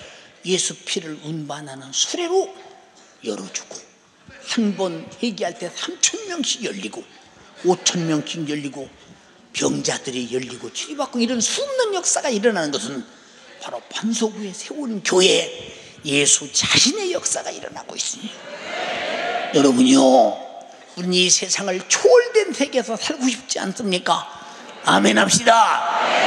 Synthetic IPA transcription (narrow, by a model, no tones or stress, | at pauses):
je̞sʰupʰiɾɯɾunbanɦanɯnsʰuɾe̞ɾo | jʌɾʌd͡ʑu̥ɡ̥o̥ | hanbʌnheɡiɦaɭt͈e̞sʰamt͡ɕʰʌnmjʌŋɕʰiɡjʌʎːiɡo | ot͡ɕʰʌnmjʌŋɕʰiɡjʌʎːiɡo | pjʌŋd͡ʑadɯɾijʌʎːiɡot͡ɕʰiibak͈oiɾʌnsʰumnɯnjʌk̚s͈aɡaiɾʌnanɯnɡʌsʰɯn | paɾopansʰoɡue̞sʰe̞onnkjoɦe̞ | jesʰut͡ɕaɕʰine̞jʌk̚s͈aɡa̰ḭɾʌna̰ɡo̰is͈ɯmɲidaa | jʌɾʌbuɲio | uɲisʰe̞sʰaŋɯɭt͡ɕʰoɭdwe̞nsʰe̞ɡe̞sʰʌsaɭɡoɕʰip̚t͡ɕ͈ia̰ns͈ɯmɲik͈a | ame̞nɦap̚ɕ͈ida